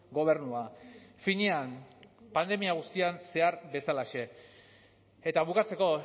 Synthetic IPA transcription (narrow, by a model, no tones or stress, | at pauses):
ɡo̞β̞e̞ɾnuafiɲeanpand̪e̞miaɣ̞ust̪ianse̞aɾbe̞salaʃe̞ | et̪aβ̞ukat͡se̞ko̞